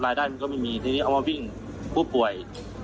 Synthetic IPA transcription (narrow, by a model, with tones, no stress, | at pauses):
laː˧jdaː˧˩nː˧kɔ˥˩ma˥˩jmiː˧t̪ʰa˧iː˦˥˧ʔwma˧wi˥˩ŋ | pʰuː˧˥˩pu˨˩əj